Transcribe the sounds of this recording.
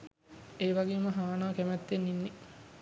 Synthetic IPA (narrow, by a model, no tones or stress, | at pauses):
eːʋaɡeːməɦaːnaːkæmæt̪ːenːinːe